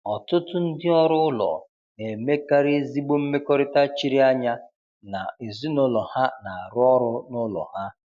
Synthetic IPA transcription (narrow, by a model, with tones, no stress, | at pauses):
ɔ˨tʊ˦tʊ˦n̩˦dɪ˦ɔ˦ɾʊ˦ʊ˦lɔ̰˨ | ne˨me˦ka˦ɾɪ˦zi˦ɡ͡bo˦m̩˦me˦kɔ˦ɾɪ˦ta˦t͡ʃi˦ɾi˦a˦ɲa˦ | na˨e˨zi˦nʊ˦lɔ˨ha˦na˨a˨ɾʊ˦ɔ˦ɾʊ˦nʊ˦lɔ̰˨ha˦